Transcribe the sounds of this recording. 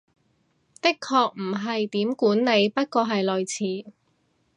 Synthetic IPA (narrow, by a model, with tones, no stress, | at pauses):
t̪ɪ˥kʰːɔː˧k̚m̩˨˩ɦɐ˨jt̪iː˨˥mkuː˨˥nne˨˧jpɐ˥t̚kɔː˧ɦɐ˨jlɵ˨jt͡sʰiː˨˥